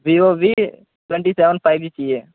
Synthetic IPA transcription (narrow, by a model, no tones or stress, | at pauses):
bioʋi | ʈwẽɳʈiseʋənpʰajbit͡ʃie